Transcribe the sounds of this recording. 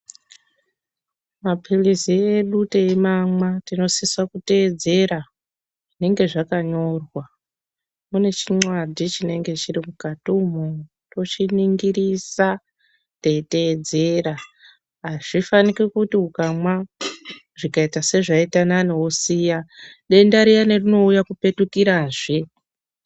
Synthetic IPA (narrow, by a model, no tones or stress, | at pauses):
mapʰilizieɗuteemamwatino̞siswakute̞ːd͡ze̞ɾa | ʐine̞ŋɡe̞ʐakaɲo̞rwa | mune̞t͡ʃiŋ͡ǀwadʱit͡ʃine̞ŋɡe̞t͡ʃirimukatumo | to̞t͡ʃiniŋɡiɾisa | te̞ite̞d͡ze̞ɾa | ɦaʐ̥ifanikikutiukama | ʐikaitase̞ʐaitananewosijaɗe̞ndaɾijanerino̞ujakupe̞tukiɾaːʐe